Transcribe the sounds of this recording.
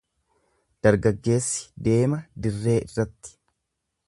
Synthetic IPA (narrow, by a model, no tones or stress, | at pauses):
d̪̥ɐɾɡɐɡːe̞ːsːɪ̥d̪e̞ːmɐd̪ɪrːe̞ːʔɪrːɐt̪ːɪ̥